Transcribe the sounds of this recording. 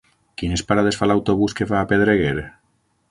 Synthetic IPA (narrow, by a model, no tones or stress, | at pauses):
kinespaɾað̞esfalawt̪oβuskefaːpeð̞ɾeɣeɾe